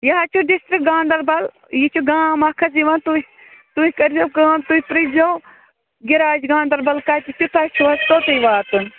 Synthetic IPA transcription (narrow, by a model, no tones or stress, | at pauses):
jɐɦat͡ʃʰuɖisʈɾik̚ɡãːnd̪ɐɾbɐl | jit͡ʃʰuɡãːmɐkʰɐziʋɐnt̪u | t̪uhʲikɐɾzɐkãːmt̪uipɾid͡ʒow | ɡiɾaːd͡ʒɡãːnd̪ɐɾbɐlkat̪it͡ʃʰut̪ɐt͡ʃʰuɐst̪oːt̪ɐjʋaːt̪un